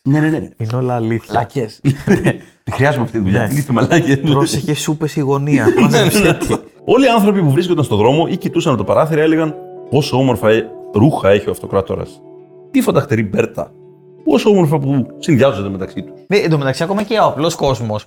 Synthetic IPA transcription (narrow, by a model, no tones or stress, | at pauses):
neneneinolɐliθlɐes | t̪ixɾiɐzumeɐft̪it̪iðuʎɐinifemɐlɐceɾoseçesupesiɣo̞niɐe | o̞liɐnθɾo̞pipuvɾiskond̪ɐnst̪oðɾo̞mo̞ʔicit̪usɐnɐt̪opɐɾɐθiɾɐele̞ɣɐnpo̞soo̞mo̞ɾfɐeɾuxɐe̞çeoɐft̪o̞kɾɐt̪o̞̰ɾɐ̰s | t̪ifod̪ɐxt̪eɾibe̞ɾt̪ɐ̰ | po̞soomo̞ɾfɐpusinðiɐzond̪eme̞t̪ɐksit̪u̥snend̪omet̪ɐksiɐkomɐceoɐplo̞sko̞zmo̞s